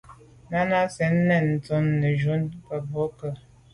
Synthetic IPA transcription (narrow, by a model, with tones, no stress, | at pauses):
na˦na˦sɛ˨˦nː˦ɛ˨n̩˨to˨˦nːə˨ʒu˦npə˨bo˦kə˨